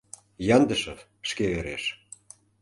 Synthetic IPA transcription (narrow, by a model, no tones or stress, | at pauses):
jɑnd̪ə̆ʃɤ | ʃkeeɾḛʃ